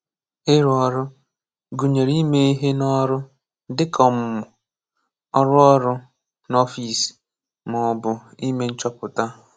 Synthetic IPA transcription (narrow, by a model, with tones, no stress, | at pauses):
ɪ˦ɾɔ˨ɾʊ˦ | ɡu˨ɲe˨ɾi˦me˦i˦ɦe˦nɔ˦ɾʊ˦ | dɪ˦kʰɔ˨m˨mʊ˨ | ɔ˦ɾʊ˦ɔ˦ɾʊ˦ | nɔ˦fi˨si̥˨ | mʊ˨ɔ˨bʊ˨i˦me˦n̩˦t͡ʃɔ˦pʊ˨ta˦